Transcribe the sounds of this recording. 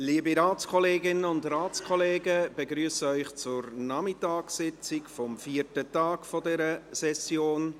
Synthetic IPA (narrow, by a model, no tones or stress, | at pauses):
liːəbiɾaːt͡skʰɔleːɡɪnəʊndɾaːt͡skʰɔleːɡəb̥eɡɾyːəsəœʏχt͡sʊɾnɑmɪtɑːksɪt͡sɪkfɔmfiːəɾtətɑːkfɔdɛɾəsɛsjoːn